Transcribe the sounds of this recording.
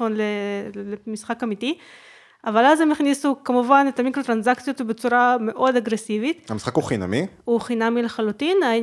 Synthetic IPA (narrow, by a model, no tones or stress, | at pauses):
fonlelemisχakamit̪i | avalazemiχnisukamuvanet̪amikɾot̪ɾanzakt͡sjot̪bet͡suɾame̞ʔo̞d̪aɡɾesivit̪amisχakhuχina̰miuχinamileχalut̪inai